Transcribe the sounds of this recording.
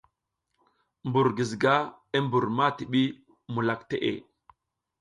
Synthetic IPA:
mbu˨ɾɡi˨zɡa˦ | e˦mbu˨ɾma˦ti˨ɓi˦ | mu˨la˨kte˦ʔḛ˨

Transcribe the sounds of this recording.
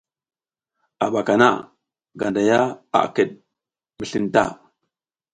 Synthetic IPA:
a˨ɓa˨ka˨na̰˦ | ɡa˨nda˨ja˦a̰˨kə˨ɗ̚ | mi˨ɬi˦nta̰˦

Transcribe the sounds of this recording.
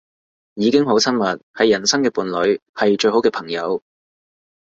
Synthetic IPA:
jiː˨˧kɪ˥ŋho˨˥wt͡sʰɐ˥nmɐ˨t̚hɐ˨˧jːɐ˨˩nsɐ˥ŋkɛː˧puː˨˧nlɵ˨˧˥ɥhɐ˨jt͡ʃɵ˧ɦo˨˥wkɛː˧pʰɐ˨˩ŋjɐ˨˧w

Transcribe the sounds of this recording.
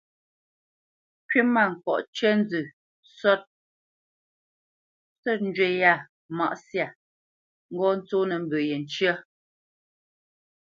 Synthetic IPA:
kɥe˦ma˦˨ŋ̩˨kɔ̰˨ʔt͡ʃɛ˦n˦d͡zʉ˨ | sɔ˦t̚ | sɔ˦t̚n̩˦d͡ʒwe˨ja˦˨ | ma̰˨ʔsja˨ | ŋ̩˦ɡɔ˦n̩˦t͡so˦nə˨m̩˦bə˨je˨n˨t͡ʃjə˦

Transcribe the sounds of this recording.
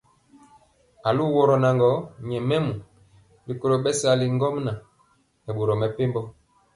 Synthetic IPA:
a˨lu˦wɔ˨ɾɔ˨na˨ŋɡɔ˨˦ɲɛ˨mɛ˦mu˨ | li˨ko˦lo˨ɓɛ˦sa˨li˨ŋ˦ɡɔ˦m˦na˨ | ɛ˨ɓo˨ɾɔ˨mɛ˨pe˦mbɔ˦

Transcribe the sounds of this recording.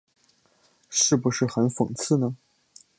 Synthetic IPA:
ʂɻ̩˥˩pu˧˥ʂɻ̩˥˩xə˧˥nfɤ˨˩ŋt͡sʰɹ̩˥˩nə˩

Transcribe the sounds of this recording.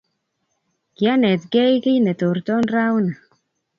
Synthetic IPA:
ki˨a˦nɛ˨t̪ɡɛ˦jkɪ˦jnɛ˨t̪o˨ɾt̪ɔ˦nɾa˦wna˨

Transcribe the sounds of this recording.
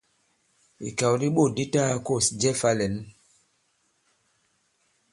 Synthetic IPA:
ḭ˨ka˨wɾi˦ɓo˦˨di˦ta˦ko˦˨sd͡ʒɛ˦fa˦lɛ˨n˦

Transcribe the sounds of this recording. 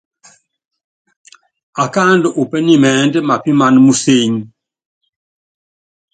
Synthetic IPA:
a˨ka˦ndɔ˨ʔu˨pɛ˦ni˦˨mɛː˨˦ndɛ˦ma˨pi˦ma˨nmu˦se˦ɲ˦

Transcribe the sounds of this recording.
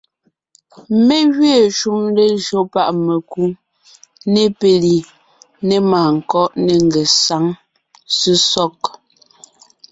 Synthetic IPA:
me˦ɣɥe˦˨ʃu˦mle˦ʒo˨˦pa˦˨ʔme˨ku˦ | ne˦pe˨li˨ | ne˦maː˨ŋ̩˨kɔ˦ʔne˨ŋ˨ɡɛ˨sa˨˦ŋ | si˦sɔ˦k̚

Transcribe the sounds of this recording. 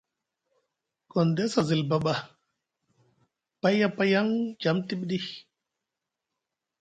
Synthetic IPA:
kɔ˨ndɛ˦sa˨zi˨lba˨ɓa˨ | pa˦jja˦pa˦ja˦ŋd͡ʒa˨mti˦ɓɗi˦

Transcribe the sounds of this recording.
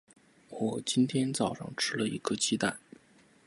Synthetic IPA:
wɔ˨˩t͡ɕi˥nt̪ʰjɛ˥nt͡sɑ˨˩ʊʂɑ̰˥˩ŋʈ͡ʂʰɻ̩˥lə˨ḭ˧˥ɡə˧t͡ɕʰi˥t̪a̰˥˩n

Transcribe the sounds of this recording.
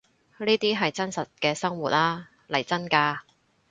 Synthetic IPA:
niː˥t̪iː˥ɦɐ˨jt͡sɐ˥nsɐ˨t̚kɛː˧sɐ˥ŋwuː˨t̚laː˥ | lɐ˨˩jt͡sɐ˥nkaː˧

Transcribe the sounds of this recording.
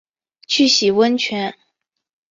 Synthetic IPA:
t͡ɕʰy˥˩ɕi˨˩wə˥nt͡ɕʰɥɛ˧˥n

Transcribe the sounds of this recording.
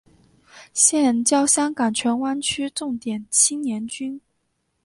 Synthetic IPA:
ɕjɛ˥˩nt͡ɕjɑ˥ʊɕjɑ˥ŋkɑ˨˩ŋt͡ɕʰɥɛ˧˥nwa˥nt͡ɕʰy˥ʈ͡ʂʊ˥˩ŋt̪jɛ˨˩nt͡ɕʰi˥njɛ˧˥nt͡ɕy˥n

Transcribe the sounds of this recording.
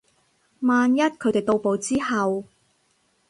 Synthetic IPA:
maː˨njɐ˥t̚kʰɵ˨˧ɥt̪e˨jt̪o˧wpo˨˧wt͡siː˥hɐ˨w

